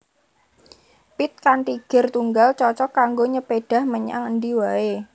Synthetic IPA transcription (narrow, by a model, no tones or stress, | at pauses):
pit̪̚kant̪iɡ̥ə̤rt̪uŋɡalt͡ʃɔt͡ʃɔkːaŋɡoɲəpeɖ̥a̤hməɲa̰ŋənd̪iwae